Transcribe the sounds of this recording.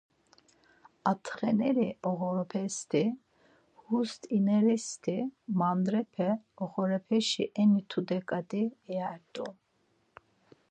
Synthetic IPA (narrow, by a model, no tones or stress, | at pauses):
at̪ʰχɛnɛɾiɔɣɔɾɔpʰɛst̪ʰi | hust̪ʰʼinɛɾɛst̪ʰimand̪ɾɛpʰɛɔχɔɾɛpʰɛʃḭʔɛnit̪ʰud̪ɛkʼad̪iaɾd̪ʼu